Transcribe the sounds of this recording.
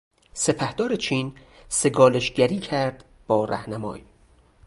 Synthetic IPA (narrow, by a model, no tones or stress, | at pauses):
se̞pʰæhd̪ɒːɾet͡ʃʰiːnse̞ɡɒːleʃɟæɾiːcʰæɾd̪̥ | b̥ɒːɾæ̰hnæmɒ̰ːj